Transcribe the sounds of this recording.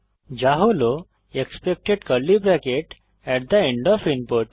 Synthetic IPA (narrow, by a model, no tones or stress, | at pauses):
d͡ʒaɦolo | ekspek̚ʈeɖkəlːibɾɛkeʈ | ɛʈ̚d̪əeɳɖɔfinpoɾʈ